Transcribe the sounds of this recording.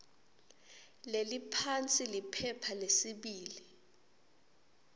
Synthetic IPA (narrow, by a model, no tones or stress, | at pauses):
lelipʰant͡sʼilipʰɛpʰalesiɓiːli